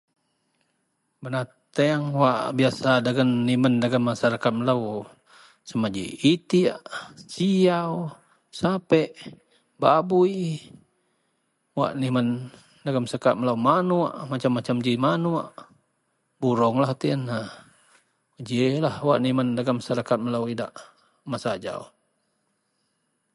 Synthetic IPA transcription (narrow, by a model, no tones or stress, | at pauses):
bəna | t̪eaŋwaʔbiasadaɡanːiməndaɡamːasaɾakat̪̚məlau | səmad͡ʒḭit̪iaʔt͡ʃiau | sapɛʔ | babui | wa̰ʔniman | daɡamsəkaʔ̚məlaumanua̰ʔmat͡ʃamːat͡ʃamd͡ʒimanuaʔ | buɾɔŋlaht̪iəna | d͡ʒelahwaʔnimandaɡamːasaɾakat̪̚məlawidaʔ | masad͡ʒa̰u